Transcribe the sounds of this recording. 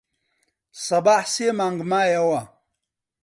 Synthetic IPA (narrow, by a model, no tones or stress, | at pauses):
sɐbaħsemaŋɡmaːjawa